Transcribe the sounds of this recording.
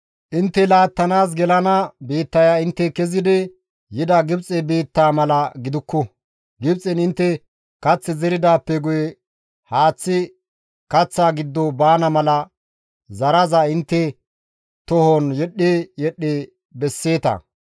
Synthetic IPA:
ʔɪnt̪ːɛlaːt̪ːɐnaːs̬ɡɛlɐnɐbiːt̪ːɐjaɪnt̪ːɛkɛzɪd̪ɛ | jɪd̪ɐɡɪbt͡sʼɛbiːt̪ːaːmɐlɐɡɪd̪ʊkːɔ | ɡɪbt͡sʼɛnɪnt̪ːɛ | kɐt͡sːɛzɛɾɪd̪aːpːɛɡʊjɛ | haːt͡sːɪ | kɐt͡sːaːɡɪd̪ːɔbaːnɐmɐlɐ | zɐɾɐzaɪnt̪ːɛ | t̪ɔhɔnjɛɗːeːjɛɗːeː | bɛsːe̞ːt̪ɐ̰

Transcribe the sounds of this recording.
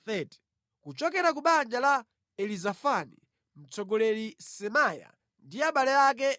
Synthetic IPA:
θɛtɛ̥ | kut͡ʃɔkɛɾakuɓand͡ʒala | ɛlizafanḭ | m̩t͡sɔɡɔlɛɾisɛmaja̰ | ndiaɓalɛak̬ɛ

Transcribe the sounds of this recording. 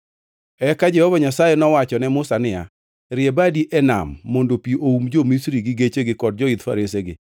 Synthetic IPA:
ɛkad͡ʒɛhɔvaɲasajenɔwat͡ʃɔnɛmʊsanɪja̰ | ɾɪebadiʔɛna̰mːondopiʔoumd͡ʒomisɾiɡɪɡet͡ʃeɡɪkɔd̚d͡ʒɔit̪fa̰ɾeseɡɪ̰

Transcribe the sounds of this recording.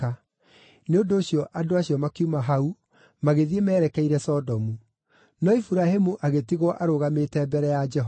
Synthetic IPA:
a | neondoːɕjɔʔadoaɕiɔmakiumaɦau | maɣeðiemɛːɾɛkɛiɾɛsɔdɔmu | nɔifuɾahemuʔaɣetiɣwɔʔaɾoɣametɛːbɛɾɛjad͡ʒɛɦ

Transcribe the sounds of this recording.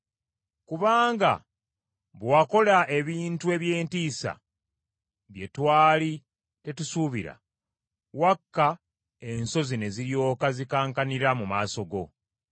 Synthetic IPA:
kuβaːŋɡa̰ | βwako̞laʔe̞βiːntue̞βje̞ːntiːsa̰ | βje̞twaːli | te̞tusuβiɾa̰ | wakːa | e̞nso̞zine̞ziɾjo̞ːkazikaːŋkaniɾamumaːso̞ɡo̞

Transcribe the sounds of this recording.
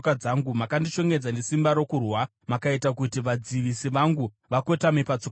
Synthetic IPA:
kad͡zaŋɡumakandit͡ʃo̞ŋɡed͡zanesimbaɾo̞kurwa | makaitakutiʋad͡ziʋisiʋaŋɡu | ʋako̞tamepat͡sok

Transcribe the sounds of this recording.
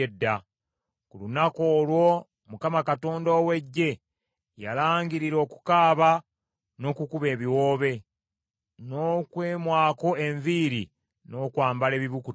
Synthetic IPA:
edːa | kulunako̞ːlwo̞ | mukamakato̞ːndoːwe̞ɟːe̞ | jalaːŋɡiɾiɾo̞ːku̥kaːβa | no̞kukuβe̞ːβiwo̞ːβe̞ | no̞kwe̞ːmwaːko̞e̞ɱviɾi | no̞ːkwaːmbale̞ːβiβuku

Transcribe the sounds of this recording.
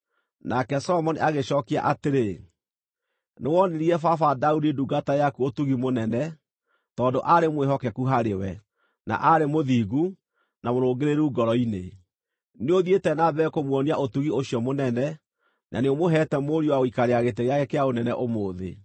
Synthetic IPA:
nakɛsɔlɔmɔniaɣeɕɔːkia̰ʔateɾe | newɔneɾiɛfafadaudiduɡatajakuotuɣimonɛnɛ | tɔːndoʔaɾemweɦɔkɛkuɦaɾewɛ | na̰ʔaɾemoðiːɣu | namoɾoːɡeɾeɾuːɡɔɾɔine | neoðietɛnabɛːkomwɔniaʔotuɣioɕiɔmonɛnɛ | nʔa̰neomoɦɛtɛmoɾiowaoikaɾeaɣet̬eɣeaɣekeaonɛnɛʔomoːðḛ

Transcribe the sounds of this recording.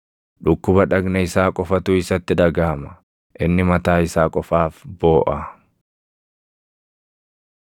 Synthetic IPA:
ᶑʊkːʊbɐᶑɐɡnɐɪsaːkʼɔfɐt̪ʊːɪsɐt̪ːɪᶑɐɡaːmɐ̥ | ʔɪnːɪmɐt̪aːɪsaːkʼɔfaːfboːʔɐ

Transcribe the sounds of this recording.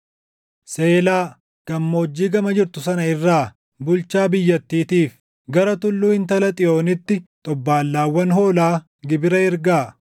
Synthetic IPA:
se̞ːlaː | ɡ̥ɐmːoːd͡ʒːiːɡɐmɐd͡ʒɪɾt̪ʊsɐnɐɪrːaː | bʊlt͡ʃaːbɪjːɐt̪ːiːt̪iːf | ɡɐɾɐt̪ʊlːuːɪnt̪ɐlɐt̪ʼɪo̞ːnɪt̪ːɪt̪ʼɔbːaːlːaːwːɐnɦo̞ːlaː | ɡɪbɪɾɐɪɾɡaː

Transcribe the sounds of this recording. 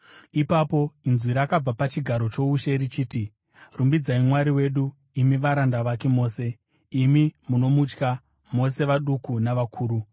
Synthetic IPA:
ipapo̞inzwiɾaːkab͡vapat͡ʃiɡʱaɾo̞t͡ʃo̞uʃeɾit͡ʃiːti | rumbid͡zaimwaɾiwe̞ɗu | imiʋaɾandaʋake̞mo̞ːse̞ | imimuno̞mut͡ʃka | mo̞se̞ʋaɗukunaʋakʰuːɾu

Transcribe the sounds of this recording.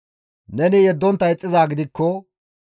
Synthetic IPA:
nɛnɪjɛd̪ːɔnt̪ːɐɛt͡sʼːɪzaːɡɪd̪ɪkːɔ

